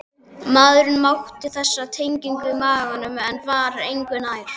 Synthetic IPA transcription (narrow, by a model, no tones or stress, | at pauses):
maðɾʏnmawht̪ɪθɛsːat̪ʰejɲciŋkvɪmaːɣɣanːʏmɛnvaːɾaejŋkvʏnaːjɾ̥